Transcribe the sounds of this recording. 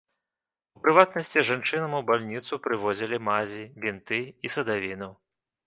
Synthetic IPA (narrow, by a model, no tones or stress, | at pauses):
upɾɨvat̪nɐsʲt͡sʲiʐant͡ʂɨnɐmubalʲnʲit̪supɾɨvɔzʲilʲimazʲibʲint̪ɨisɐd̪avʲinɐ